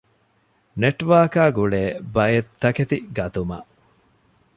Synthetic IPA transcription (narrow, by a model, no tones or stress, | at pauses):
neʈʋaːkaːɡuɭeːbɐjet̪ːɐket̪iɡɐt̪umɐ̰ʔ